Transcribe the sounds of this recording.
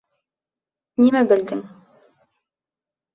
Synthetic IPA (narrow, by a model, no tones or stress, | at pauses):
nimæbɘ̆lɡ̪ɘŋ